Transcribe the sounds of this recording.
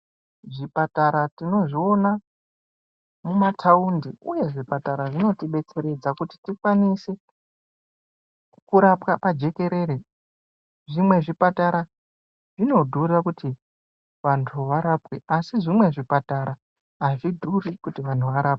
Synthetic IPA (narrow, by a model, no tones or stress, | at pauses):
ʐipataɾatino̞ʐio̞na | mumatʰaundiuje̞ʐipataɾaʐino̞tiɓe̞t͡se̞ɾe̞d͡zakuti̥tikwanise | kuɾapkapad͡ʒe̞ke̞ɾe̞ɾe | ʐimwe̞ʐipataɾa | ʐino̞dʱurrakuti | ʋantʰuʋaɾapweasiʐimwe̞ʐipataɾa | aʐidʱurikutiʋantuʋaɾaːp̚we̥